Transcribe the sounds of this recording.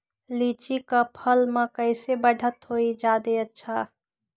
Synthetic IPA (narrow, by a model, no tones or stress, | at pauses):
lit͡ʃikapʰəlmẽkəɪsebəɖʱət̪ɦoid͡ʒaːd̪eətːʃʰa